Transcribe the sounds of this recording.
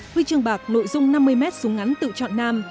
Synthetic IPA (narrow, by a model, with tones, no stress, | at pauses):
hi˧t͡ɕɨ˨˩əŋɓaː˨˩k̚no̰˧˨jzʊ˧ŋ͡mna˧mːɨ˧əjmɛ˦˥t̚su˨˦əŋa˨˦jnt̪ɨ̰˧˨t͡ɕɔ̰˧˨nːaː˧m